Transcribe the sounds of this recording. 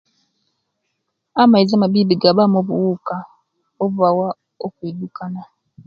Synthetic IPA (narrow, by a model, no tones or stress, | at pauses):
amaizamaβibiɡaβamoβṵwuka | oβuβawa | okwidukana